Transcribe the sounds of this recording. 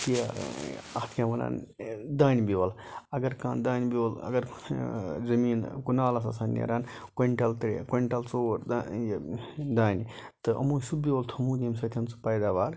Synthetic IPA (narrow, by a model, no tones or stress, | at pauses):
kijaɐht̪ʰjaːmɐna̰ːnd̪aːnbiʋɐl | ɐɡɐɾkaːnd̪aːnbiʋɐlɐ̰ɡɐɾ | zɐmiːnkunaːlɐs̬a̰saːnːḛɾaːnkeɳʈɐlt̪ɾḛkeɳʈɐlt͡soːɾd̪ajd̪aːnit̪ɨʔɐ̰muːsubbiʋɐlt̪ʰumuːd̪ʲimsɐt̪ʰʲɐnt͡sɨ̥pɐjd̪aːʋaːɾ